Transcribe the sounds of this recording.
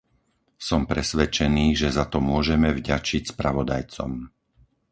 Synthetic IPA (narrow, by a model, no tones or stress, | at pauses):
sɔmpɾɛsʋɛt͡ʃɛniːʒɛzat̪ɔmʊɔʒɛmɛvɟat͡ʃicspɾaʋɔd̪a̰jt͡sɔ̰m